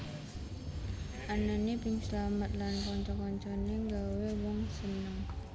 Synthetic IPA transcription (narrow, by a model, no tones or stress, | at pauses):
ʔananepɪŋslamət̪̚lankɔɲt͡ʃɔkɔɲt͡ʃɔneŋɡawewɔŋsənɔŋ